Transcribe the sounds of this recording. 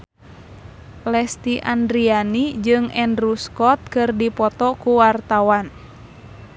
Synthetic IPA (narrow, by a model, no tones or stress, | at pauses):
lɛst̪iʔa̰ndɾianid͡ʒɨŋɛndɾuskɔt̪̚kɨrdipɔt̪ɔkuwart̪awan